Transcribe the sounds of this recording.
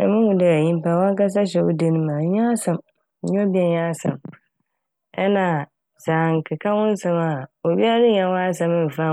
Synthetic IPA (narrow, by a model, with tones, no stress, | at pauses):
ɛ̰˨mʊ̃˦hʊ̃˨dɛ˨ɲĩ˦m˦pa˨wɔ̃˦a˦ka˦s̬a˦ɕɛ˨wʊ̰˦de˦nɪ̃˦mã˨ɲ˦ã˦sã˨m̩˨ | ɲɔ̃˦bi˦ɛ˨ɲã˦sã̰˨m | ɛ˦nã˨ | sãː˨ŋ˨kʰɪ˨kʰa˦wʊ̃˦n˦sã˦ma˨o˨bi˦a˦ɾɪ˦ɲã˨wɔ̃˦a˦sã˦mɪ̃˦m̩˨fa˦